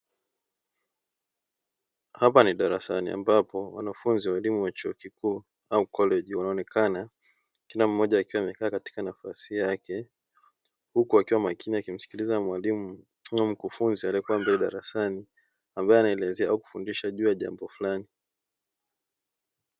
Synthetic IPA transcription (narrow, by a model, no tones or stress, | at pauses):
hapaniɗaɾasanḭa̰mbapɔwa̰nafunziwalimuwat͡ʃuɔkikuː | aukɔlɛʄiwanaɔnɛkana | kilam̩ːɔʄaːkiwaːmɛkaːkati̥kanafasijakɛ | hukuakiwamakiniakim̩si̥kilizamwalim | m̩kufunzialiɛkuwambɛlɛɗaɾasani | ambaɛanaɛlɛzɛaauku̥fundiʃaʄuːjaʄa̰mbɔfulani